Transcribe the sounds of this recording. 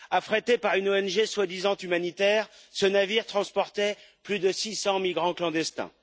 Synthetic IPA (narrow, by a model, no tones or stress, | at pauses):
afχet̪epaʁynoɛnʒeswad̪izɑ̃t̪ymanit̪ɛʁ | sənaviʁt̪χɑ̃spɔʁt̪ɛplyd̪əsisɑ̃milɡʁɑ̃klɑ̃d̪ɛst̪ɛ̰̃